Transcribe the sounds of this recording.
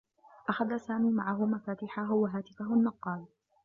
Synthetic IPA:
ʔaxaðasaːmiːmaʕaɦʊmafaːt̪ɪħaɦʊwaɦaːt̪ɪfaɦʊnːɑqːɑːl

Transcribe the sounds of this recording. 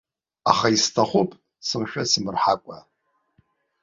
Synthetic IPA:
a̰χaistʰaχʷupʼ | sɨmʃᶣasɨmɨrħakʷʼa̰

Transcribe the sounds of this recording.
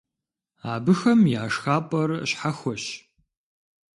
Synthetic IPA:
aːbɨxɐmjaːʂxaːpʼɐrɕħaxʷɔɕ

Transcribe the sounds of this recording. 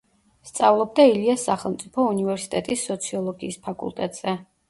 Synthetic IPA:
st̪sʼavlˠɔb̚d̪ailiasːaχɛlˠmt̪sʼipʰɔunivɛɾsi̥t̪ʼɛt̪ʼisːɔt̪sʰiɔlˠɔɡiːspʰakʼṵlˠt̪ʼɛt̪ʼz̥ɛ

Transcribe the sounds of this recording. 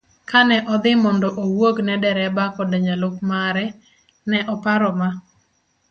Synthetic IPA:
kanɛʔɔd̪ɪmɔndɔʔowoɡnɛdɛɾɛbakɔdɛɲalokmaɾɛ | nɛʔɔpaɾɔma

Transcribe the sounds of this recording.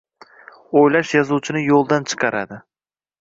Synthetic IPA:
ojlaʃjɒzuwt͡ʃʰɪnɪjolˠd̪ant͡ʃʰɨ̥qʰɑɾa̰d̪ɪ

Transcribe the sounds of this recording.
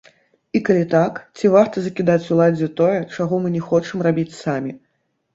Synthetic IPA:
ikalʲit̪akt͡sʲivart̪ɐzɐkʲid̪at͡sʲulˠad͡zʲɛt̪ɔjɛt͡ʂaɣɔmɨnʲɛxɔt͡ʂɨmrabʲit͡sʲsamʲi

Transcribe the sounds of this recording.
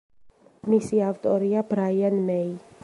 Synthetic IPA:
misiawt̪ɔɾiabɾajanmej

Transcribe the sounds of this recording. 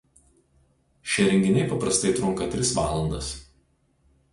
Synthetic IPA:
ʃʲɛɾʲɛŋʲɡʲɪnʲɛɪpɐpɾɐst̪ɐɪt̪ɾʊŋˑkɐt̪ʲɾʲɪsʋɑːlˠɐnd̪ɐs

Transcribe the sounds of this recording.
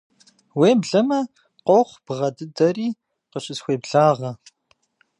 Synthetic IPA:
weːbɮɐmɐ | qʷowχʷb̥ʁɐdɨdɐriː | qəɕɪsxʷeːbɮaːʁɐ

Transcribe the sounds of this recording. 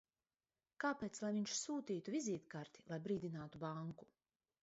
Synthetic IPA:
kaːpeːt̪slˠajviɲʃsuːt̪iːt̪uvizʲiːt̪kaɾt̪i̥lˠajbɾiːd̪ʲinaːt̪ubaŋku̥

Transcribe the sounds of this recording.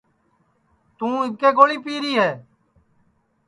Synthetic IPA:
t̪ũːɪkeːɡoːɭiːpiːɾiːɦɛː

